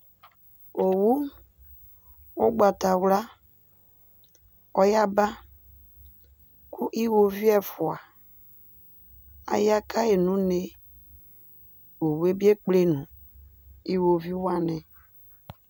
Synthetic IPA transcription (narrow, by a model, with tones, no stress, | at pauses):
o˨wu˦ | o˦ɡ͡ba˨ta˨wla˦ | ɔ˦ja˦ba˦ | kʰu˦ʔi˦wo˨vi˦ɛ˦fʊ˨a˨ | a̰˨ja˦ka˦e˨nũ˦ne˨ | wo˨we˦bi˦e˦k͡ple˦nũ˨ | i˦wo˨vi˦wa˦nɛ̃˨